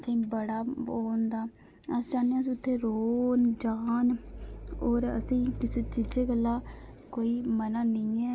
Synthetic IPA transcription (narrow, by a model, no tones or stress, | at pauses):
sĩːbəɽaːoːnd̪aː | əsd͡ʒaːneãːəs̬ĩːʊt̪ʰːeːɾoːnd͡ʒaːn | oːɾə̰sĩːkɪseːt͡ʃɪd͡ʒeːɡəlːaːkoːiːmənãːnɪ̃ːɛː